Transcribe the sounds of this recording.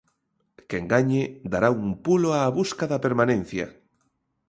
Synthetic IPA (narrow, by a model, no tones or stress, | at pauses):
keŋɡaɲed̪aɾaumpuloaβuskaðapeɾmanẽn̟θja̰